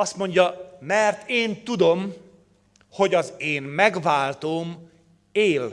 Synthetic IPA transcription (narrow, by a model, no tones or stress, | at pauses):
ɒst̪mo̞ɲɟɒmɛrt̪eːnt̪ud̪o̞m | ho̞ɟɒzeːnmɛɡvaːlt̪oːm | eːl